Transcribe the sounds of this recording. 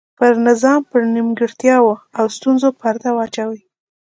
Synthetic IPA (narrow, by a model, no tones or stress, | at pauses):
pəɾnɪzɑmpəɾnimɡɪɽt̪jɑwoawst̪unzopaɾt̪awɑt͡ʃawəj